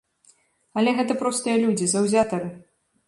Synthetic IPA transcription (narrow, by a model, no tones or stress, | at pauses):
ɐlʲɛɣɛt̪̬ɐpɾɔst̪ɨjɐlʲud͡zʲizɐwzʲat̪ɐɾɨ